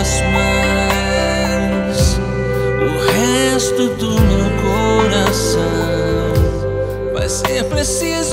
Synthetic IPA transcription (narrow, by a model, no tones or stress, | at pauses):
zmɐ | s | ʊʁhɛst̪ʊd̪ʊmewkoɾasɐ̃w | w̃ | va̰jseɾpɾesiz